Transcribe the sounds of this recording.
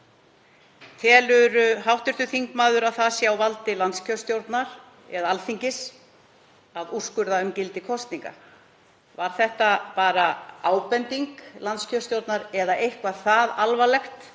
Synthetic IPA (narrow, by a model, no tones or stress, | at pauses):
t̪ʰɛːlʏɾʏɦawht̪ʏɾ̥t̪ʏθiŋkmaːðʏɾawθasjawvalt̪ɪlant̪scʰœst̪jowɾt̪naɾ̥ | ɛðaalθiɲcɪs | aðu̥skʏɾðaʏmcɪlt̪ɪkʰɔst̪niŋka̰ | vaɾ̥θɛht̪apaːɾaaːwpɛnt̪iŋklant̪scʰœst̪jowɾt̪naɾɛðaʔejhkvḁθaðalvalɛxt̪